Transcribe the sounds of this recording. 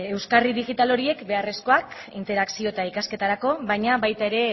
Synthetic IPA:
e̞wskariðiɣit̪alo̞ɾie̞kbe̞are̞sko̞ak | int̪e̞ɾaksio̞et̪aikaske̞t̪aɾako̞βajɲaβajt̪ae̞ɾe̞

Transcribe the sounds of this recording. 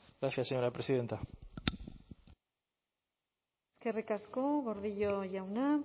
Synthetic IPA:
ɡɾaθjasːeɲoɾapɾesiðe̞nt̪a | eskerikaskoɣo̞ɾðiʎoʝawna

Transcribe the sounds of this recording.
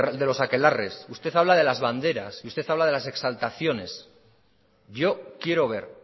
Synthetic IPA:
d̪e̞lo̞sake̞lare̞sust̪e̞θaβ̞laðe̞lazβand̪e̞ɾa̰siust̪e̞θaβlaðe̞lase̞ksalt̪aθjo̞ne̞s | ɟ͡ʝo̞kje̞ɾo̞β̞e̞ɾ

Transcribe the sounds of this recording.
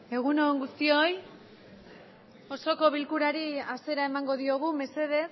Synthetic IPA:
e̞ɣ̞unoŋɡust̪io̞j | o̞so̞ko̞βilkuɾaɾiase̞ɾae̞maŋɡo̞ðio̞ɣ̞ume̞se̞ð̞e̞

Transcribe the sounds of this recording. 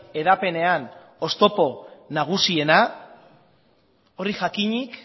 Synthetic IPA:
e̞ðape̞ne̞an | o̞st̪o̞po̞naɣ̞usie̞na | o̞riʝakiɲik

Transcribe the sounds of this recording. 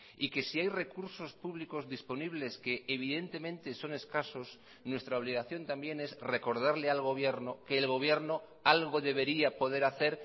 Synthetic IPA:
ike̞siajre̞kuɾso̞spuβliko̞zðispo̞niβ̞le̞ske̞ːβ̞iðe̞nt̪e̞mẽ̞nt̪e̞so̞ne̞skaso̞s | nwe̞st̪ɾaoβliɣ̞aθjo̞nt̪ambje̞ne̞zre̞ko̞ɾð̞aɾlealɣ̞o̞β̞je̞ɾnoke̞ːlɣ̞o̞β̞je̞ɾno̞ | alɣ̞o̞ðe̞β̞e̞ɾiapo̞ð̞e̞ɾaθe̞ɾ

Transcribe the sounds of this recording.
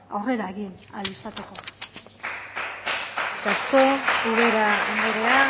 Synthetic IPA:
a̰wre̞ɾaeɣina̰lisat̪eko̞ | kasko̞uβeɾaand̪eɾea

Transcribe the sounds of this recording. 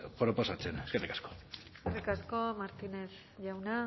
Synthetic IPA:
pɾopo̞sat͡seneskarikḁsko̥sskarikasko̞maɾt̪ines | ʝawna

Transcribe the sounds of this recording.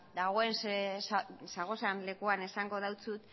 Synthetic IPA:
d̪aɣo̞e̞nsasaɣ̞o̞sanle̞kuane̞saŋɡo̞ðawt͡sut̪

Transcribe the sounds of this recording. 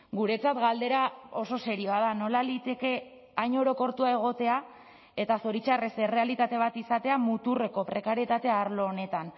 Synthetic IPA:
ɡuɾe̞t͡sat̪ɡald̪e̞ɾao̞so̞se̞ɾioað̞ano̞lalit̪e̞ke̞ | aɲo̞ɾo̞ko̞ɾt̪uae̞ɣ̞o̞t̪e̞a | e̞t̪aso̞ɾit͡ʃaresere̞alit̪at̪e̞β̞at̪isat̪e̞amut̪ure̞ko̞pɾe̞kaɾiet̪at̪e̞aɾlo̞ːne̞t̪an

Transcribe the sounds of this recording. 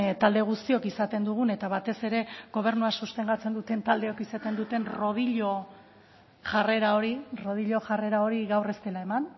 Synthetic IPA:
t̪ald̪e̞ɣ̞ust̪io̞kisat̪e̞nd̪uɣ̞une̞t̪aβat̪e̞se̞ɾe̞ɣɡo̞β̞e̞ɾnuasust̪e̞ŋɡat͡se̞nd̪ut̪e̞nt̪ald̪e̞o̞kisat̪e̞nd̪ut̪e̞nro̞ð̞iʎo̞ | ʝare̞ɾao̞ɾiro̞ð̞iʎo̞ʝare̞ɾao̞ɾiɣawre̞st̪e̞lae̞man

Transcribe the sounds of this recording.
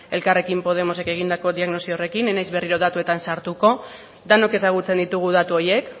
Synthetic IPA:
e̞lkare̞kimpo̞ð̞e̞mo̞se̞ke̞ɣ̞ind̪ako̞ðiaɣno̞siore̞kinenajzβe̞riɾo̞ðat̪ue̞t̪ansaɾt̪uko̞ | d̪ano̞ke̞saɣ̞ut͡se̞nd̪it̪uɣ̞uð̞at̪uoje̞k

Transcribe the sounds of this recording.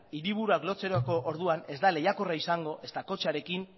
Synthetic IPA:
iɾiβ̞uɾuaklo̞t͡se̞ɾoko̞ʔoɾðuane̞zd̪ale̞jako̞raisaŋɡo̞ʔe̞st̪ako̞t͡ʃaɾe̞kin

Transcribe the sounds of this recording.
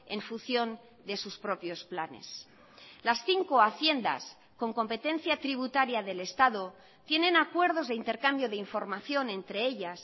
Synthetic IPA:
e̞ɱfunθjo̞n | d̪e̞suspɾo̞pjo̞splane̞̰s | lasθiŋko̞aθje̞nd̪a̰s | ko̞ŋko̞mpe̞t̪e̞n̟θjat̪ɾiβ̞ut̪aɾjaðe̞le̞st̪aðo̞ | t̪je̞nẽ̞nakwe̞ɾð̞o̞zðe̞int̪e̞ɾkambjo̞ðeiɱfo̞ɾmaθjonẽ̞nt̪ɾe̞eʎas

